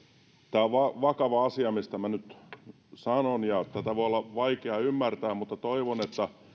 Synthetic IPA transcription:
t̪æːʋɑʋɑkɑʋɑɑsiɑmist̪æmænyt̪ | sɑnonjɑt̪æt̪æʋoiolːɑʋɑikeɑymːært̪æːmmut̪ːɑt̪oiʋonet̪ːæ

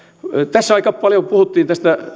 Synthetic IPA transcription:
t̪æsːæɑikɑppɑljopuhut̪ːiːnt̪æst̪æ

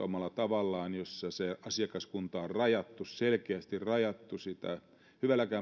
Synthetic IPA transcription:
omɑlːˑɑt̪ɑʋɑlːɑːnjosːɑseɑsiɑkɑskunt̪ɑorrɑjɑt̪ːusselkeæst̪irɑjɑt̪ːusit̪æ̰ | hyʋælækæː

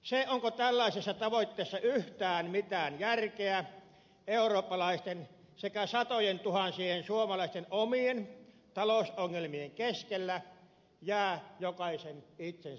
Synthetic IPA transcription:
seoŋkot̪ælːæˑisesːɑt̪ɑʋoit̪ːeːsːɑʔyht̪æːnmit̪æːnjærkeæ | eˑuroːpːɑlɑˑist̪en | sekæsɑt̪ojent̪uhɑnsiːhensuomɑlɑˑist̪enomien | t̪ɑloˑusoŋːelmieŋkeskelːæ | jæːjokɑisenit̪sen

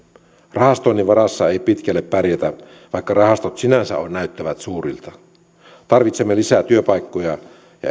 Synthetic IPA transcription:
rɑhɑst̪oinːiʋɑrɑsːɑeipit̪kælːeppærjæt̪æ | ʋɑikːɑrɑhɑst̪ot̪sinænsæ̰onnæyt̪ːæʋæt̪suːrilt̪ɑ | t̪ɑrʋit̪semːelisæt̪yøpɑikːojɑ | jɑ̰

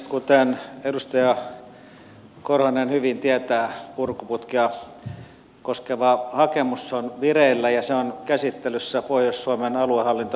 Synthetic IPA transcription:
kut̪enedust̪ɑjɑ | korhɑnenhyʋint̪iæt̪æːpurkuput̪kiɑ | koskeʋɑhɑkemusːonʋireilːæjɑseonkæsit̪ːelysːæpohjossuomenɑluehɑlːint̪o

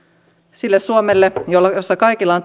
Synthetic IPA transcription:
silːesːuomelːejolːɑjosːɑkɑikilːɑont̪

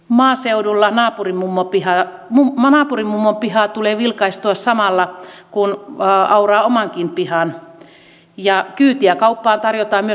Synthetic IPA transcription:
mɑːseudulːɑnɑːpurimmumːopihɑunɑːpurimːumːompihɑːt̪uleːʋilkɑist̪uɑssɑmɑlːɑkunɑurɑːomɑŋkinpihɑn | jɑkyːt̪iækɑupːɑːnt̪ɑrjot̪ɑːmmyø

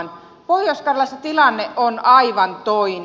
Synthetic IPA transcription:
n | poijoskɑrlɑset̪ilɑnːeʔonɑiʋɑnt̪oin

